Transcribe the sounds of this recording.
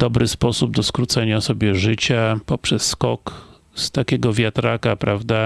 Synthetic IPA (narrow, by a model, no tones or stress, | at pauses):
d̪̥ɔbɾɘspɔsubd̪ɔskɾut̪sɛɲasɔbʲjɛʐɘt͡ɕapɔpʂɛsːkɔk | st̪akʲɛɡɔvʲjat̪ɾakapɾavd̪a